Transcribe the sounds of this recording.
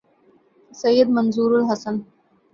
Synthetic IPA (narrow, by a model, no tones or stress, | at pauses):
sɐjːəd̪mɐnzuːɾulɦɐsən